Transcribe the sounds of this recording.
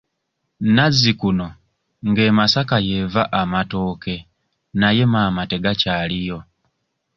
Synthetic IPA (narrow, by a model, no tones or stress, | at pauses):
nazikuno̞ | ŋɡe̞ːmasakaje̞vaʔamato̞ːke̞ | naje̞maːmate̞ɡacaːlijo̞